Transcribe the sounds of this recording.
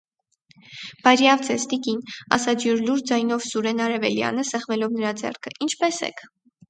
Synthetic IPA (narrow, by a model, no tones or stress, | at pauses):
b̥ɑɾjɑvd͡zɛst̪ikinɑ̰sɑd͡ʒjuɾluɾd͡zɑjnɔvsuɾɛnɑɾɛvɛljɑ̰nəsɛχvɛlɔvnəɾɑd͡zɛ̰rkʰəint͡ʃʰpɛsɛ̰kʰ